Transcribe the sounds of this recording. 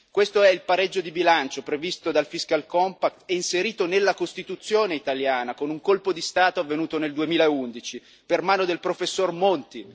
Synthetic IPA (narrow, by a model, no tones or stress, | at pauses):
kwest̪oɛilpaɾed͡ʒːod̪ibilant͡ʃopɾevist̪od̪alfiskalkɔmpakt̪ɛinseɾiːt̪onelːakost̪it̪ut̪sːjoːneit̪aljaːnakonuŋkolpod̪ist̪aːt̪oavːenuːt̪oneld̪uemiːlaeund̪it͡ʃi | permaːnod̪elpɾofesːormont̪i